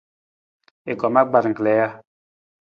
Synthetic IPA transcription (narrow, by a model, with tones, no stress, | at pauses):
e˨kɔ˨ma˦ɡ͡ba˨ɾŋ̩˨klɛ˨˦ja˦